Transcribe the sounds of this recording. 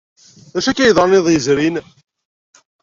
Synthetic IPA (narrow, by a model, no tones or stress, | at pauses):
æʃækːæjðˤɾnːɪðˤjəzɾin